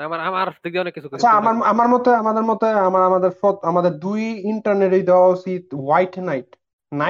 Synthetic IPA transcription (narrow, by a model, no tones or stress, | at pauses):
amaɾamaɾɔt̪ik̚d̪ãnekisʰukat͡ɕʰaamaɾamaɾmɔt̪eamad̪eɾmɔt̪oamaɾamad̪eɾfɔt̪amad̪eɾd̪ujiɳʈaɾneɾojd̪ɛwaosid̪wajʈnajʈ | na